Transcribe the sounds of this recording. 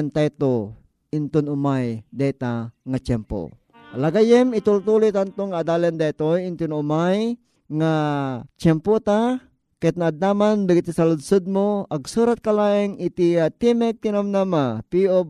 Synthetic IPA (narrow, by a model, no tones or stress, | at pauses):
nt̪ajt̪o | ɪnt̪ʊnʊmajd̪ɛt̪aŋat͡ʃɛmpo̰ | alaɡajɛmit̪ult̪ulʊt̪ant̪oŋaːd̪alɛnd̪at̪ojɪnt̪unʊmaj | ŋat͡ʃɛmpot̪a | kɛt̪̚naːd̪amanbɪɡit̪isalʊd̪sod̪̚moʔaɡsuːɾat̪̚kalaʔɪŋit̪iat̪imɛk̚t̪inamnamapio